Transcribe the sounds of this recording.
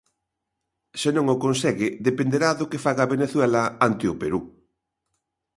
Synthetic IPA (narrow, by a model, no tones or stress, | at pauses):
senõŋokõnsɛɣɪðepend̪eɾaðʊkefaɣaβeneθwɛlɐant̪ɪʊpeɾu